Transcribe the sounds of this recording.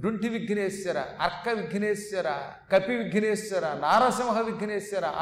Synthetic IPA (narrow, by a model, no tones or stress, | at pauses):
ɖuɳʈiʋiɡʱneːsjɐɾɐ̰ɐ̰ɾkːɐʋiɡʱneːsjɐɾɐ̰ | kɐpiʋiɡʱneːsjɐɾɐnaːɾɐsɐmɐɦɐʋiɡʱneːsjɐɾɐ̰